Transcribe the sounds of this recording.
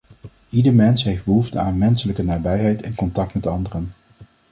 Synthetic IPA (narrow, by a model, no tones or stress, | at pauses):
ʔidəɹmɛnsɦejfd̚bəɦuftəaːnmɛnsələkənaːɹbɛjɦɛjtɛnkɔntɑk̚tmɛtɑndərən